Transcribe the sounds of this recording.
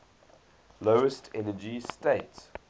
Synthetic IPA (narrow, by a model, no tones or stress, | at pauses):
loʊəstʰɛnəd͡ʒisteɪts